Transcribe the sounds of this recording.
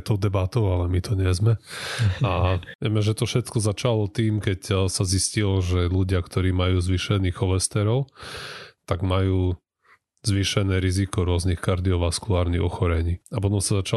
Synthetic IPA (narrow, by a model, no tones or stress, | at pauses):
t̪ɔʊd̪ɛbat̪ɔʊalɛmit̪ɔɲɛzmɛ | aɪɛmɛʒɛt̪ɔfʃɛt̪kɔzat͡ʃalɔt̪iːmkɛcsaziscilɔʒɛluɟɪakt̪ɔɾiːmajuːzʋiʃɛniːɣɔlɛst̪ɛɾɔʊ | t̪aɡmajuː | zʋiʃɛnɛːɾizikɔɾʊɔznixkaɾd̪iɔʋaskulaːɾniɣɔxɔɾɛɲiːapɔt̪ɔmsazat͡ʃa